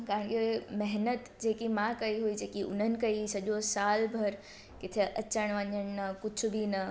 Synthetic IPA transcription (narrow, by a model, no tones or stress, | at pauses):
kãːə̃nkeemɛɦnət̪d͡ʑeːkimãkɐiɦuid͡ʑeːkiʔʊnənɪ̆kɐisɐʄosaːlbʱɐɾ | kɪt̪ʰeʔɐt͡ɕəɽ̃ʋɐɲəɽ̃nɐkʊd͡ʑʰʱʊ̆bʱinɐ